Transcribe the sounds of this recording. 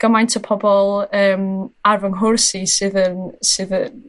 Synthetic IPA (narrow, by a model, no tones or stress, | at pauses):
ɡ̥əmajntʰəpʰɔbɔlˠəːmarvəŋɦʊrsisɨðənsɨðən